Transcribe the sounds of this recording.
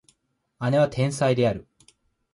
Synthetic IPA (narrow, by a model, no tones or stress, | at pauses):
ane̞βat̪ʰẽ̞ɰ̃said̪e̞aɾɯ̟